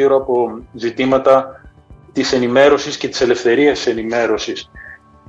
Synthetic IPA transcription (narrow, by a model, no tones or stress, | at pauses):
iɾoɐpo̞zit̪imɐt̪ɐ | t̪ise̞nime̞ɾo̞sisce̞t̪i̥se̞le̞fθe̞ɾiɐst̪i̥se̞nime̞ɾo̞sis